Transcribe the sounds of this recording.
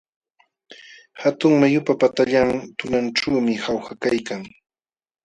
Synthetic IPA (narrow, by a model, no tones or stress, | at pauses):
hat̪ʊŋmajʊpapat̪aʎaŋt̪ʊnanʈ͡ʂaːmɪhawxakajkaŋ